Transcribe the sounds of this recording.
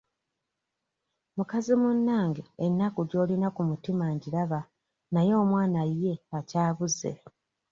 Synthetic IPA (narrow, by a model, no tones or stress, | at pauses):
mukazimunːaːŋɡeenːakuɟo̞ːlinakumutimaɲɟiɾaβa | najo̞ːmwaːnajːe̞acaːβuze̞̰